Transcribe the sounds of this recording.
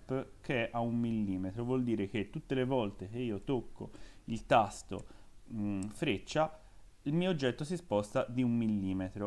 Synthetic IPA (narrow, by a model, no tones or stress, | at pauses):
pːkeɛʔaumːilːiːmet̪ɾovwɔld̪iːɾek̟et̪ːut̪ːelevɔlt̪ek̟eiːot̪okːo̰ilt̪ast̪o̰ | fɾet͡ʃːa | ilmiːoːd͡ʒːɛt̪ːosispɔst̪ad̪iumːilːiːmet̪ɾo